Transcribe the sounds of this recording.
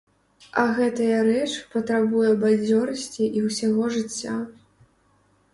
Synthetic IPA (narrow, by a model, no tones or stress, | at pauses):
ɐɣɛt̪ɐjɐɾɛt͡ʂpɐt̪ɾabujɛbad͡zʲɔɾɐsʲt͡sʲiʔiwsʲaɣɔʐɨt͡sʲːa